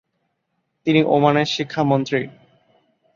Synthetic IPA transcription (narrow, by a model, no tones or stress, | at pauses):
t̪iniʔomaneɾʃikʰːamont̪ɾi